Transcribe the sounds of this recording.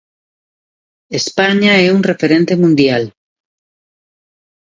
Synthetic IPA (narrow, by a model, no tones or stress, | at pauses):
espaɲaɛuŋrefeɾẽnt̪emũnd̪jal